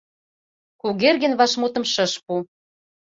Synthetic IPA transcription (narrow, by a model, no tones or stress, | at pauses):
kuɣerɣɘ̆nβɑʃmut̪ɤ̆mʃə̆ʃpu